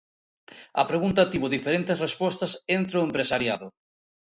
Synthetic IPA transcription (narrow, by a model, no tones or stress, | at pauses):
ɐ̰pɾeɣunt̪ɐt̪iβʊðifeɾent̪ɪsrespɔst̪ɐsent̪ɾoempɾesaɾjaðʊ